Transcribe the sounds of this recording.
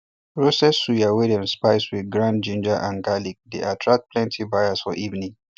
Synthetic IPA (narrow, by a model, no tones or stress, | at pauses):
pɹosɛsujawɛdɛ̃nspaɪswiðɡɹãnd͡ʒĩnd͡ʒəʔãnɡalik̚deʔatʰɹak̚t̚pʰlɛ̃ntʰibaɪasfɔʔivnĩŋ